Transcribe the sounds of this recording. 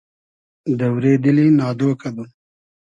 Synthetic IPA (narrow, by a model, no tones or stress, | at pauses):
d̪əwɾed̪əlinɑːd̪oːkad̪u